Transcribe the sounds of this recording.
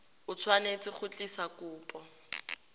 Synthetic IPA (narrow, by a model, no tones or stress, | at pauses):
ʊt͡sʰwanet͡sʼɪχʊt͡ɬʼisakuːpʼɔ